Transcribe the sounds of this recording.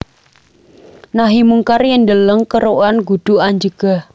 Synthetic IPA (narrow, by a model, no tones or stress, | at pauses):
naɦimuŋkarjəndələŋkəɾoʔanɡud̥ṳaɲd͡ʒəɡ̥ah